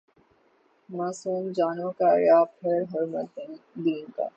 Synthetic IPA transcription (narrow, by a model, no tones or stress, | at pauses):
maːsuːnd͡ʒaːnõkaɾjaːpʰɐɾɦɐɾmɐt̪d̪iːnka̰